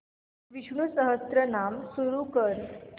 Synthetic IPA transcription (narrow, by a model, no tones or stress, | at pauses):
ʋiʂɳusəɦəst̪ɾənamsuɾukəɾ